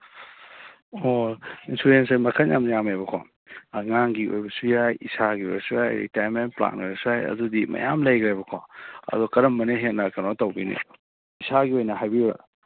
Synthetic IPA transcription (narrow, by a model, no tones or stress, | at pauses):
oinsɾuɾensajmɐkʰajamnjamajbɐkʰo | ŋaŋɡio̰jbɐsujajisaɡio̰jbɐsujajɾḭtajmenpla̰nojbɐsujajɐ̰dudimɐ̰jamlɐjɡɾajbɐkʰo̰ɐ̰dukɐɾɐmːɐneɦet̚nɐkɐnotɐwbinḭ | isaɡiojnɐɦajbiɾa̰